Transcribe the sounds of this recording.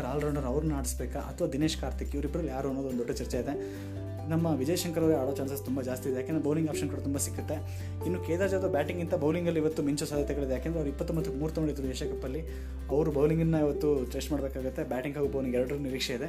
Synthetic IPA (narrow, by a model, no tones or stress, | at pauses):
ɾaːlɾɐwɳɖɐɾɐʋɾunnaːɽisbeːkɐʔɐ̰t̪ʰɐʋaːd̪ine̞ːʃkaːɾt̪ʰikːiʋɐɾibɐɾɐlːijaːɾuɐnːoːd̪ond̪oɖːɐt͡ʃɐɾt͡ʃɛid̪e | nɐmːɐʋid͡ʒɐjɐʃɐŋkɐɾɐʋɾɡaːɽoːt͡ʃaːnsɐst̪umbɐd͡ʒaːst̪id̪ejaːkend̪ɾbʱɐwliŋɡaːpʃɐnkuːɽɐt̪umbasikːut̪ːe̞ | inːuːkeːt̪aːd͡ʒɐd̪ɐbʲaːʈiŋɡint̪ɐbɐwliŋɡɐlːiiʋɐt̪ːumiɲt͡ʃusaːd̪ʱjɐt̪ɛɡɐɭid̪ejaːkeːnd̪ɾeɐʋɾuipːɐt̪ːumbɐt̪ːukmuːɾut̪ɐnɡɐɭid̪ːɾueːʃɐkɐpːɐlːi | ɐʋɾubɐwliŋɡinːɐiʋɐt̪ːuʈɾeːst͡ʃmaːɽbeːkaːɡut̪ːebaːʈiŋɡɦaːɡubɐwliŋɡɛɾɽɐɾniɾiːkʂɛid̪e